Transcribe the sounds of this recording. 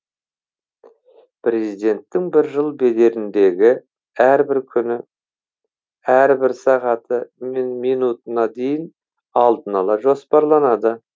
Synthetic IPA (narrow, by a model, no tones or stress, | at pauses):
pʰɾe̞zijd̪e̞nt̪ːɪŋbɪɾʒəlˠbe̞d̪e̞ɾɪnd̪e̞ɡʲɪ | æɾbɪɾkʲʰʏnɪ | æɾbɪɾsɑʁɑt̪əmenmijnut̪ənɑd̪e̞jɪn | ɑlˠd̪ənɑlˠɑʒo̞spɑɾlˠɑnɑd̪ə